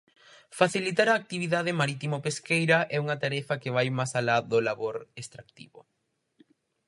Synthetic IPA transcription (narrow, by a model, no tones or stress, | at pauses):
faθilit̪̬aɾɐːk̚t̪iβiðaðɪmaɾit̪imopeskejɾɐʔɛuŋɐt̪aɾɛfɐkɪβajmasalaðʊlaβoɾest̪ɾak̚t̪ḭβʊ̰